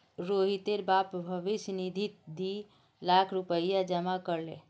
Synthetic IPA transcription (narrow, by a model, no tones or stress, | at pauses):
ɾoɦit̪eɾbapbʱəʋisnid̪ʱit̪̚d̪i | lakʰɾupəjad͡ʒəmakəɾle